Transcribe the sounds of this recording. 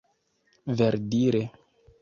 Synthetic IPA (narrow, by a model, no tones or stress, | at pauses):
veɾdiɾe